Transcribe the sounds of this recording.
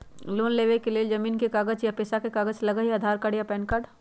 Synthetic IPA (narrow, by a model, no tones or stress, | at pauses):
loːnleːʋekeleːd͡ʒɐmiːnkekaːɡəd͡ʒjapeːsakekaːɡət͡ʃlɐɡəɦiəd̪ʱaːɾkəɽjapɛːnkaɖ